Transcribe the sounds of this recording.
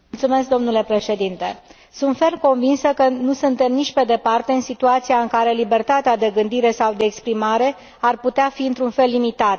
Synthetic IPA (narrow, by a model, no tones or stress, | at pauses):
mult̪sume̞sk̚d̪o̞mnule̞pɾe̞ʃe̞d̪int̪e̞ | sunt̪fe̞rmko̞ɱvinsəkənusunt̪e̞mnit͡ʃʲpe̞d̪e̞part̪e̞ɨnsit̪uat̪siaɨŋkaɾe̞libe̞rt̪at̪ead̪e̞ɡɨnd̪iɾe̞sawd̪e̞ːkspɾimaɾe̞ | arput̪eafiɨnt̪ɾunfe̞lːimit̪at̪